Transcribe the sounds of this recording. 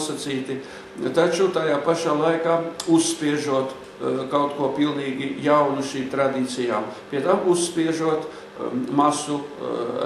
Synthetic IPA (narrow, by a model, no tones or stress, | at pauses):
sat̪siːt̪i | t̪at͡ʃut̪ajaːpaʃaːlˠajkaːusspʲiɛʒuɔt̪ | kawt̪kuɔpilˠniːɡʲijawnuʃiːmt̪ɾad̪iːt̪sijaːmpʲiɛt̪amusspiɛʒuɔt̪ | masu